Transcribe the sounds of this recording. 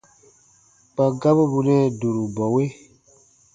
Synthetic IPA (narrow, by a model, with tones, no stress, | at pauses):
k͡pa˨ɡa˦bo˦bu˧nɛ̃˦˨du˨ɾu˨bɔ˨we˦